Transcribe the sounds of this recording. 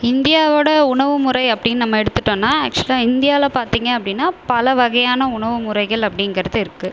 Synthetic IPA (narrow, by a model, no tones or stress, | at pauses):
ɪnd̪ɪjaːʋoːɽɐʊɳɐʋɯmʊɾɐɪɐpːɐɽɪnːɯnɐmːɐɛɽɯt̪ːɯʈːõːnːaːæːk̚t͡ʃʊɐlaːɪnd̪ɪjaːɪlɐpaːɾt̪iːŋɡɐɐpːɐɽɪnːaːpɐlɐʋɐɣɐjaːnɐʊɳɐʋɯmʊɾɐɪɣɐɭɐpːɐɽɪŋɡɐɾɐðɯɪɾɯkːɯ